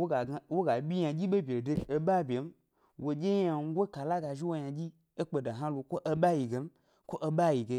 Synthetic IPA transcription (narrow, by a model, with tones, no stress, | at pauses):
o˦a˨wo˦ɡa˨bʲi˦ɲã˨d͡ʒi˦ɓe˦bʲe˨de˧˨e˦ɓa˦bʲe˨m̩˦ | wo˨d͡ʒe˦a˧˦ɡʷo˦ka˨la˦ɡa˨ʒi˦wo˦jã˨d͡ʒi˦ | e˦k͡pe˨da˨ɦã˦lu˨kʷo˦ʔe˦ɓa˦ji˨ɡe˨m̩˦ | kʷo˦ʔe˦ɓa˦ji˨ɡe˧˦